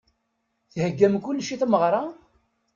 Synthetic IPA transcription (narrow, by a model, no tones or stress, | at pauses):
θhəɡːæmkulːʃiθməʁɾˤɑ